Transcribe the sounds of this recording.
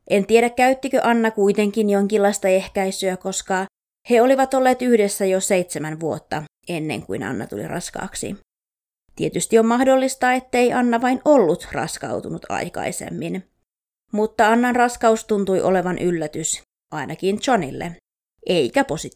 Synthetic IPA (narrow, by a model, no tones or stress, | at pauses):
ʔent̪ieɾækkæyt̪ːikøʔɑnːɑkuit̪eŋkinjoŋkilːɑist̪ɑehkæisyæko̞skɑ | heoliʋɑt̪olːeːt̪yhdesːæjoseit̪semænʋuot̪ːɑ | enːḛŋkṵinɑ̰nːɑ̰t̪ṵlḭrɑ̰skɑ̰ːksḭ | t̪iet̪yst̪iommɑhdolːist̪ɑːet̪ːeiʔɑnːɑʋɑinolːut̪rɑ̰skɑ̰wt̪unut̪ʰɑ̰ikɑ̰isḛmːin | mut̪ːɑɑnːɑnrɑskɑust̪unt̪ujʔoleʋɑnʔylːæt̪ys | ʔɑinʔɑkint̪t͡ʃonḭlːḛ | ʔeikæposi